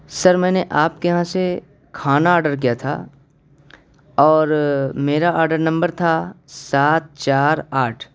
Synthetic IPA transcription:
sɐɾmɛ̃ːneʔaːpkeɦãse | kʰaːnaɔːɾɖəɾk̬ijat̪ʰa̰ː | ɔːɾmeːɾaɔːɾɖəɾnɐ̃mbəɾt̪ʰasaːt̪̚t͡ʃaːɾaːʈʰ

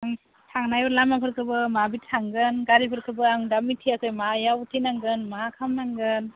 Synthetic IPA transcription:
aŋ | tʰaŋnajɔɾlamapʰɯɾkʰɯbɯmabitʰaŋɡɯnɡaɾipʰɯɾkʰɯbɯaŋdamitʰiakɯjmajautʰinaŋɡɯnmaakʰamnaŋɡɯn

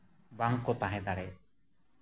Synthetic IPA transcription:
baŋkːɔt̪aɦɛ̃d̪aɽɛ

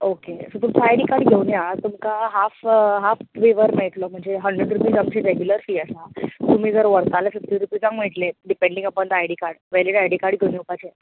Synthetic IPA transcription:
okesəpuɳt͡saajɽikaɾɖɡʱewnjat̪umkaɦafɦaft̪ʋiʋəɾmeɭʈlɔm̤əɳd͡zeɦəɳɖɾəɖɾupiːd͡zamt͡ɕeɾeɡjuləɾfiːəsat̪um̤iːd͡zəɾʋəɾkalasək̚iɾupiːd͡zãŋɡmeɭʈleɖipeɳɖiŋɡapəɳd̪ajɽikaɾɽʋɛliʈajɽikaɾɖɡʱewnjupat͡ɕe

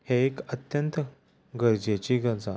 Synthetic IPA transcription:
heekət̪jənt̪ | ɡəɾd͡ʑet͡ɕiɡəd͡za

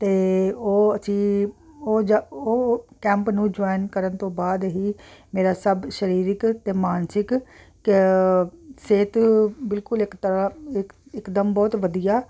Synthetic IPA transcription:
t̪eːoːət͡ʃiː | oːd͡ʒoːkɛ̃ːmpnũːd͡ʒoːinkəɾənt̪õːbaːd̪ɦiːmeːɾaːsəbʃəɾiːɾɪkt̪eːmaːnsɪk | k | seːt̪bɪlkʊlɪkt̪əɾãɪkɪkd̪əmbɔːt̪ʋəd̪ijaː

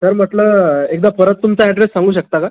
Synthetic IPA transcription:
səɾm̤əʈləek̚d̪apəɾət̪ːumt͡saɛɖɾesːãŋɡuːɕəkt̪aka

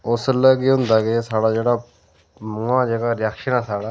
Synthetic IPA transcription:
ʊsələɡiɦʊ̃nd̪aːkɪsaːɽaːd͡ʒeːɽaː | mũːãːd͡ʒeːɡaːɾɪjaːkʃənaːsaːɽaː

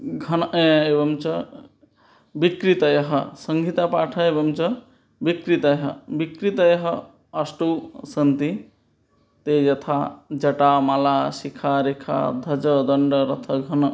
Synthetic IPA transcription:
ɡʱɐnʔjebɐmt͡ʃɐ | bikɾit̪ɐjɐɦɐsəŋɡʱit̪apaʈʰɐebɐmt͡ʃɐ | bikɾit̪ɐjɦɐbikɾit̪əjɐɦə | ɐsʈusɐnt̪i | t̪ejɐt̪ʰad͡ʒɐʈamaːlasikʰaɾekʰa̰d̪ʱɐd͡ʒəd̪əɳɖəɾɐt̪ʰɐɡʱɐn

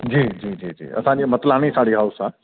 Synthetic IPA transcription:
d͡ʑiːd͡ʑiːd͡ʒiːd͡ʒḭːɐ̰sãimət̪laɽ̃isaɽiɦawsa

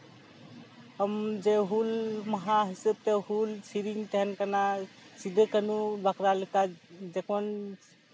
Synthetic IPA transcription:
ɦəmd͡ʒeɦulməɦãɦisəb̚t̪əɦulsiɾiŋɡt̪eɦənkənasid̪ʱekənubakɾalikad͡ʒekmən

